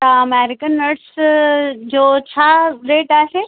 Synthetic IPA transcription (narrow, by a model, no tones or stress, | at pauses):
t̪ɐɐmɛːɾɪkənːɐɾʈs | d͡ʒoːt͡ɕʰaːɾeːʈaːseː